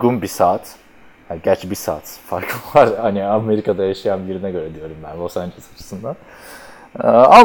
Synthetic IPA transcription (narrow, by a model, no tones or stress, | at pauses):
ɡunbisaːt̪ | hanɟæt͡ʃbisa̰ːt̪faɾkʰˠuvaɾhaniame̞ɾikʰad̪ajaʃijanbiɾinɛɟø̞ɾɛd̪ijo̞ɾumbænvosand͡ʒasat͡ʃʰɯ̥sɯnd̪an | am